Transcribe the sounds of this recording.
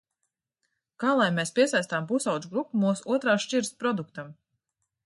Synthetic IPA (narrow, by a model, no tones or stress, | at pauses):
kaːlˠajmespʲiɛsajst̪aːmpusawd̪d͡ʒ̪ɡɾupːumuːsuɔt̪ɾaːʃt͡ʃiɾspɾɔd̪ukt̪am